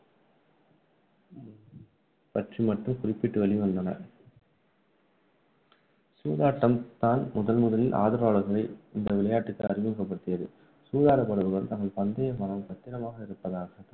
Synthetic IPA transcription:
pɐʈrimɐʈrɯmkʊrɪpːɪʈːɯʋɐɭɪʋɐnd̪ɐnɐ̰ | suːðaːʈːɐmt̪aːnmʊðɐlmʊðɐlɪlʔa̰ːðɯɾaːɭɐɾɣɐɭɐɪɪnd̪ɐʋɪɭɐjaːʈːɯk̪ːɐlɐrɪmɐkːɐpːɐɽɯt̪ːɯjɐðɯ | suːðaːɾɐpːɐɽɐʋɯɣɐɭt̪ɐŋɡɐɭpɐnd̪ɐjɐmɐɳɐmsɐt̪ːɪɾɐmaːɣɐɪɾɯpːɐðaːɣɐ

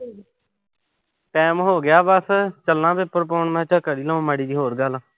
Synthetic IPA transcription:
ʈɛːmɦoːɡɪjaːbəst͡ʃəlːãːbɪpːəɾpoːɳmɛ̃ːt͡ʃəkəɽiːlə̃õːməːɽiːd̪iːɦoːɾɡəl

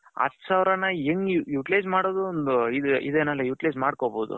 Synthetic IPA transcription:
ɐ̰t̪ːsaːʋɾɐnɐeŋɡujuːʈileːd͡ʒmaːɽoːd̪uond̪uid̪ḭd̪eːnɐlːɐjuːʈileːd͡ʒmaːɽkoboːd̪ṵ

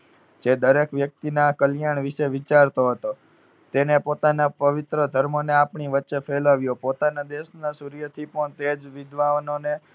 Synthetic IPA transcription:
d͡ʒed̪əɾekʋjək̚t̪inakəljaɳʋiʃeʋit͡ʃaɾt̪oɦət̪o | t̪enepot̪anapəʋɪt̪ɾəd̪ʱəɾmoneapɳiʋətːʃefʰelaʋjopot̪anad̪eʃnasuɾjət̪ʰipəɳt̪ed͡ʒʋɪd̪ʱʋaʋnone

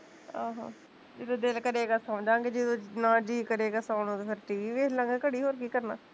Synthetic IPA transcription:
ãːɦã̰ː | d͡ʒɪd̪õːd̪ɪlkəɾeːɡaːsəmd͡ʒãːɡeːd͡ʒɪd̪õːnãːd͡ʒiːkəɾeːɡaːsaːnõːt̪epʰɪɾʈiːʋiːʋeːlə̃ːŋɡkəɽiːɦoːɾkiːkəɾna̰ː

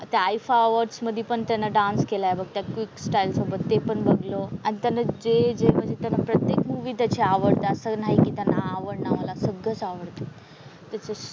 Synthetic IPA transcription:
t̪jaːjfaəʋəɖsməd̪ʱːepəɳt̪janːaɖãnskelajebəɡ̚t̪jakʋiksʈajlsəbət̪ːepəɳbəɡloañit̪janad͡ʑed͡zem̤əɳd͡zet̪janːapɾət̪jekmuʋid̪ət͡ɕeaʋəɽt̪əəsənaɦikit̪janːaːʋəɽnaʋalasəɡət͡saʋəɽt̪ə | t̪jat͡sə

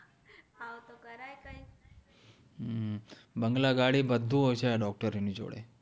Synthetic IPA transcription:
awt̪okəɾajkai | bəŋɡlaɡaɽibəd̪ʱːuɦojt͡ʃeaɖɔk̚ʈəɾnid͡ʒo̰ɽḛ

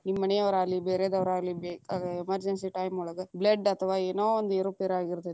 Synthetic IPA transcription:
nimːɐnejɐʋɐɾaːlːibeːɾed̪ɐʋɾaːlːibeːkaːɡɐemɐɾd͡ʒensiʈɐjmuɭɐɡɐblɐɖɐt̪ʰɐʋaːeːnoːond̪eːɾupeːɾaːɡiɾt̪ːe

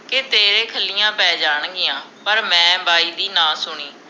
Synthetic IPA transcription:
kɪt̪eːɾẽːkʰəlːɪjãːpɛːd͡ʒaːɳɡɪjãːpəɾmɛ̃ːbaːiːd̪iːnãːsʊɳiː

